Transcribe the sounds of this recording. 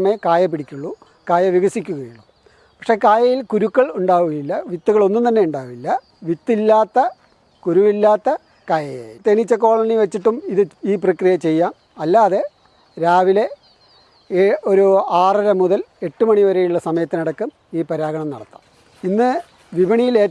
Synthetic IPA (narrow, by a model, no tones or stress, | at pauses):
meɐkaːjɐp̬ːiɽikʲːuɭːu | kaːjɐʋiɣɐsikʲːuɣɐjuɭːu | pɐkʂe̞kaːjɐjilkuɾukːɐɭuɳɖaːʋuɣɐjilːɐʋit̪ːuɣɐɭo̞nːumt̪ɐnːe̞uɳɖaːʋilːɐ | ʋit̪ːilːaːt̪ːɐ | kuɾuʋilːaːt̪ːɐ | kaːjɐjet̪enit͡ɕːɐko̞ːɭɐniʋet͡ɕːiʈːumiðɨiːprɐkrijɐt͡ɕe̞jːaːm | ɐlːaːðe̞ | ɾaːʋile̞ | ʔoɾuaːrɐɾɐmuðɐle̞ʈːumɐɳiʋɐɾɐjuɭːɐsɐmɐjɐt̪ːinɐɽɐkːɨm | iːpɐɾaːɡɐɳɐmnɐɽɐt̪ːa̰ːm | inːɨ | ʋibɐɳijile̞ː